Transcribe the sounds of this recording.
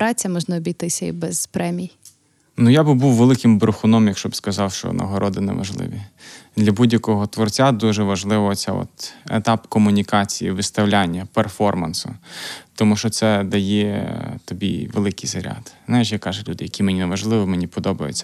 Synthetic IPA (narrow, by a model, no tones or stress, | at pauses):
pɾɑt͡sʲɐmɔʒnɐɔbʲijt̪ɪsʲɐḭbɛz̥pɾɛmʲij | nujabɪbuwʋelˠɪkɪmbɾʊxʊnɔmjɐkʃt͡ʃɔbskɐzɑwʃt͡ʃɔ̰nʔɐ̰ɦɔɾʔɔd̪ɪnḛʋɐ̰ʒlˠɪ̰ʋʲid̪lʲɐbudʲjɐkɔɦɔt̪ʋɔrt͡sʲad̪uʒɛʋɐʒlˠɪʋɔt͡sʲɛ̰ɔ̰t̪ḛt̪ɑpkɔmʊnʲikɑt͡sʲijḭʋɪst̪ɐwlʲanʲːɐperfɔrmɐnsʊ̰t̪ɔmuʃt͡ʃɔt̪sɛd̪ɐjɛt̪ɔbʲḭʋelˠɪkɪjzɐɾʲa̰d̪znajɪʃ̬jakɑʒɛlʲud̪ɪjɐkʲimenʲineʋɐʒlˠɪʋɪmenʲipɔd̪ɔbɐjḛt͡sʲːɐ̥